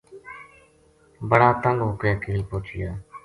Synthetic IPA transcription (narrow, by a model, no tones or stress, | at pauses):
bəɽaːt̪əŋɡɦʊkeːkiːliːpoːt͡ʃʰɪjaː